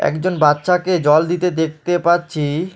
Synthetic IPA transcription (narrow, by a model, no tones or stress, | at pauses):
ɛ̰kd͡ʑonbatːʃʰaked͡ʑɔld̪it̪ed̪ek̚ʰt̪epatːɕʰi